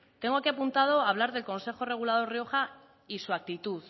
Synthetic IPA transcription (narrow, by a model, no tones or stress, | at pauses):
t̪e̞ŋɡo̞akiapunt̪að̞o̞aβ̞laɾðe̞lkõ̞nse̞xo̞re̞ɣ̞ulað̞o̞ɾrio̞xa | isuak̚t̪it̪uð